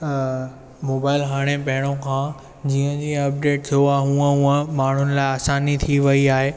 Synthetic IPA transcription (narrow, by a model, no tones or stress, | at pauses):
moːbaːɪlɦaːɽ̃ẽpɐɦɪɽ̃õkʰãː | d͡ʑiːə̃d͡ʑĩːɐp̚ɖeːʈ̚t̪ʰijoaːɦɦũːə̃ɦũːə̃maːɳ̤ʊnɪ̆laːɪaːsaːnit̪ʰiʋɐiaːɦeː